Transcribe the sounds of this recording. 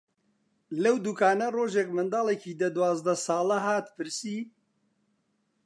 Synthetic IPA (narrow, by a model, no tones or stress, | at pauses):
lɛwd̪ukaːnɐroːʒɛkmɨnd̪aːlɛkʰiːd̪ɐd̪waːzd̪ɐsɑːlɐɦaːt̪pʰɨɾsiː